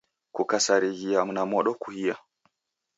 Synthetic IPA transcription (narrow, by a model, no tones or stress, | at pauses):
kukasaɾiɣijamnamɔɗɔkuhija